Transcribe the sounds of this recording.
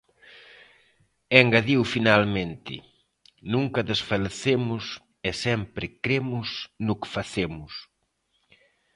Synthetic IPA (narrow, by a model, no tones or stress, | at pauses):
ɛŋɡaðiwfinalmẽnt̪ɪ̰ | nũŋkɐðesfaleθemʊs | ɛsɛmpɾɪkɾemʊsnʊkɪ̥faθemʊs